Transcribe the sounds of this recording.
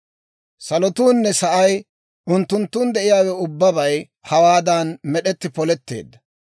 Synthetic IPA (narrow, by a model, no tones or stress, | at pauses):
sɐlɔt̪uːnːɛsɐʔɐj | ʔʊnt̪ːʊnt̪ːuːnd̪ɛʔɪjaːwɛʊbːɐbɐj | hɐwaːd̪ɐnmɛɗɛt̪ːɪpɔlɛt̪ːe̞̰ːd̪ːɐ